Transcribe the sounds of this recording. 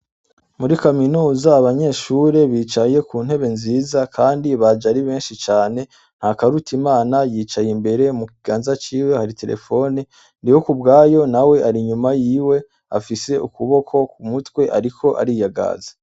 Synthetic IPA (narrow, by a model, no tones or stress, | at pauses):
muɾikaminuːzaːβaɲe̞ʃuɾe̞βiːt͡ʃaje̞kuːn̥he̞βe̞nziːzakʰaːndiβad͡ʒaɾiβe̞ːnʃit͡ʃaːne̞ | n̥hakaɾutʰimaːnajiːt͡ʃajimbe̞ɾe̞mukiɡ̥aːnzat͡ʃiːwe̞haɾite̞ɾḛfo̞ni | ndiwo̞kubɡaːjo̞nawe̞ʔaɾiɲumajiːwe̞ | a̰fise̞ʔukuβo̞kʰo̞kumutwe̞ʔa̰ɾikʰo̞ʔa̰ɾijaɡa̰ːze̥